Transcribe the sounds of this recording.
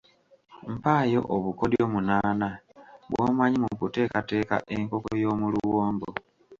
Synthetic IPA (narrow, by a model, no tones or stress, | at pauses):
m̩paːjo̞̰ʔoβuko̞djo̞ːmunaːnaβwʔo̰maɲimukute̞ːkate̞ːka̰ʔe̞ŋko̞kojo̞ːmuluwoːmbo